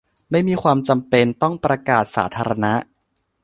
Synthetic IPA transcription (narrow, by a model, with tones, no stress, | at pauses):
ma˥˩jmiː˧kʰwaː˧mt͡ɕa˧mpe˧nt̪ɔ˥˩ŋpɾa˧kaː˨˩t̪̚sa̰ː˩˦t̪ʰaː˧ɾa˧na˦˥ʔ